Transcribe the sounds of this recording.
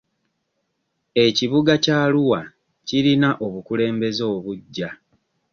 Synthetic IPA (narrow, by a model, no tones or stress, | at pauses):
e̞ciβuɡacaːluwa | ciɾinaʔo̞βukule̞ːmbe̞zo̞ːβuɟːa